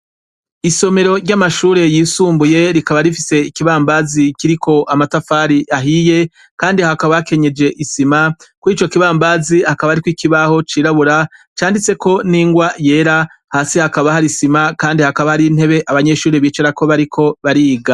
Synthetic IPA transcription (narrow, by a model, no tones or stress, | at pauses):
iso̞me̞ɾo̞ɾɟamaʃuːɾe̞jiːsuːmbuje̞ɾikaβaɾifise̞ikiβaːmbazikiɾikʰo̞ʔamatafaɾiʔaɦije̞ | kaːndihakaβaake̞ɲe̞d͡ʒe̞ʔisimakwiːt͡ʃo̞kiβaːmbaːzihakaβaaɾikwikiβaho̞t͡ʃiːɾaβuɾat͡ʃaːndit͡se̞kʰo̞niːŋɡwaje̞ːɾa | haːsihakaβahaɾisimakaːndihakaβahaɾin̥e̞βe̞ʔaβaɲe̞ʃuːɾeβiːt͡ʃeɾako̞βaɾikʰo̞βaɾiːɡa